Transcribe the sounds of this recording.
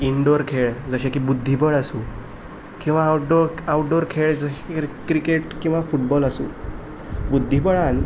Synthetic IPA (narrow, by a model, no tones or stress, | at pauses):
iɳɖoɾkʰeɭd͡zəɕẽkibud̪ʱːibəɭasũ | kĩw̃ʋaʈɖoɾawʈɖoɾkʰeɭd͡zəkɾikeʈkĩw̃ʋafuʈbɔlasṵ̃ː | bud̪ʱːibəɭan